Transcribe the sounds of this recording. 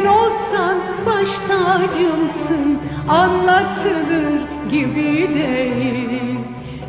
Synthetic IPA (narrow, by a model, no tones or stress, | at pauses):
nolˠsan | baʃt̪ʰad͡ʒɯmsɯnanlˠat̪ʰɯnɯm | ɟibid̪ɛj